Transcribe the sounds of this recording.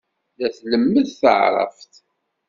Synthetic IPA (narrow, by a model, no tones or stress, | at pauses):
ðæθləmːəðθə̰ʕɾˤə̰ft̪